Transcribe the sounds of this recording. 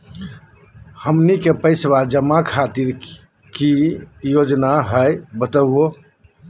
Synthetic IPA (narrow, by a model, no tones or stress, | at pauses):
həmnikepəɪswad͡ʒəmːakʰat̪iɾ | kijod͡ʒnaɦəjbət̪əo